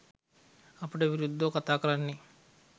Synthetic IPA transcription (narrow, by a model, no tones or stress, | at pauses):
ɐpːuʈɐbiɾud̪ːoːkɐt̪aːkɐlɐnːi